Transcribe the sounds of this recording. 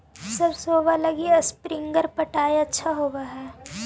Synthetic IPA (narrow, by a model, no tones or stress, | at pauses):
sɐbsoːbalɐɡiɐspɾɪ̃ŋɡəɾpɐʈaːjɐtːʃʰaɦoːɡaɦɛː